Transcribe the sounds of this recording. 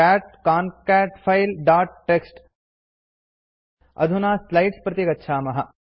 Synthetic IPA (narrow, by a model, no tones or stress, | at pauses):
æːʈ̚kaːnkæːʈpʰɐjlɖaːʈ̚ːeksʈ | ɐ̰d̪ʱunaːslɐjʈspɾɐt̪ikɐt̪ːʃʰaːmɐɦɐ